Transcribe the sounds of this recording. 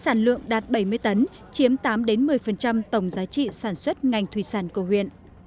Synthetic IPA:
saː˧˩nlɨ̰˧˨əŋɗaː˨˩t̚ɓə˧˩jmɨ˧əjt̪ə˨˦n | t͡ɕi˨˦əmt̪aː˨˦mɗe˨˦nmɨ˨˩əjfə˨˩nt͡ɕa˧mt̪ə˧˩wŋ͡mzaː˨˦jt͡ɕḭ˧˨saː˧˩nswə˦˥t̚ŋa˨˩jŋ̟t̪ʰwi˧˩saː˧˩nkə˧˩hwḭ˧˨ən

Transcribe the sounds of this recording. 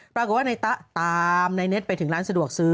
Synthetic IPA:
pɾa˧ko˨˩t̚waː˥˩na˧jt̪a˦˥ʔt̪aː˧mna˧jne˦˥t̪̚pa˧jt̪ʰɯ˩˦ŋɾaː˦˥nsa˧du˨˩ək̚sɯː˦

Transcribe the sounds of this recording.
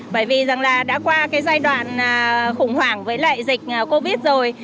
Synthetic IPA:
ɓəː˧˩jvi˨˩za˨˩ŋlaː˨˩ɗa̰ː˧˥kwaː˧kaː˨˦jzaː˧jɗwa̰ː˧˨nəː˨˩xʊ˧˩ŋ͡mhwaː˧˩ŋvəː˨˦jla̰ː˧˨jzï˨˩k̟̚ʔəː˨˩ko˧ɓi˦˥ət̚zo˨˩j

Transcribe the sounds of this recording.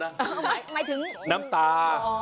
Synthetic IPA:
ma˨jt̪ʰɨ˨˦ŋna˨˦mt̪aː˨˧

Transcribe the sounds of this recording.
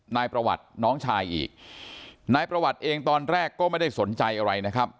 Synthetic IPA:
naː˧jpɾa˧wa̰˨˩t̪̚nɔː˦˥ŋt͡ɕʰaː˧jʔḭː˨˩k̚ | naː˧jpɾa˧wa˨˩t̪̚ʔeː˧ŋt̪ɔː˧nɾɛː˥˩kːɔː˥˩ma˥˩jda˥˩jso˩˦nt͡ɕa˧jʔa˧ɾa˧jna˦˥kʰɾa˦˥p̚

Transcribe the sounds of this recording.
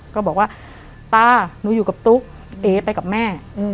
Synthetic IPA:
kɔː˥˩ɔː˨˩k̚waː˥˩ | t̪aː˥˩nuː˨˦juː˨˩ka˨˩p̚t̪u˦˥k̚ | ʔeː˨˦pa˧jka˨˩p̚mɛː˥˩˧

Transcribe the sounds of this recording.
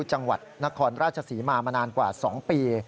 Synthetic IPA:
t͡ɕa˧ŋwa̰˨˩t̪̚na˦˥kʰɔː˧nɾaː˥˩t̪̚t͡ɕʰa˧siː˩˦maː˧maː˧naː˧nkwaː˨˩sɔː˩˦ŋpiː˧

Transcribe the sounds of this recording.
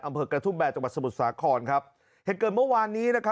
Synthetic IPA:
ʔa˧mpʰɤː˧kɾa˧t̪ʰuː˦˥˩bɛː˨˩t̚t͡ɕa˧ŋwa˨˩t̪̚sa˧mu˨˩t̪̚saː˩˦kʰɔː˧nkʰa˦˥p̚ | he˨˩t̪̚kɤː˨˩n̚mɯ˥˩˨waː˧nːiː˦˥na˦˥kʰa˦˥

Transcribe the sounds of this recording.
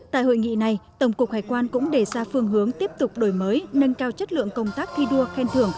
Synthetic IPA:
t̪a̰ː˧˨jɦo̰˧˨jŋḭ˧˨na˨˩jt̪ə˧˩wŋ͡mku˨˩ək̚haː˨˩jkwaː˧nkʊ̰˧˥ŋ͡mɗe˧˩zaː˧fɨ˧əŋɦɨ˨˦əŋt̪i˦˥əp̚t̪ʊ˨˩k͡p̚ɗo˧˩jməː˨˦jnə˧nkaː˧wt͡ɕə˦˥t̚lɨ̰˧˨əŋkə˧wŋ͡mt̪aː˦˥k̚t̪ʰi˧ɗu˧əxɛ˧nt̪ʰɨ˨˧˩əŋ

